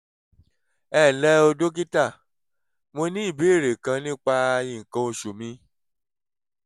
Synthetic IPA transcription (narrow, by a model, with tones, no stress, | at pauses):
ɛ˦˨lɛ˦o˧do˦k̬i˦ta˦˨ | mo˧nĩ˦i˦˨be˨˦˨ɾe˨kã˧nĩ˦k͡pa˧ĩ˦˨ŋ̩˨kã˧o˧ʃu˨mĩ˧˦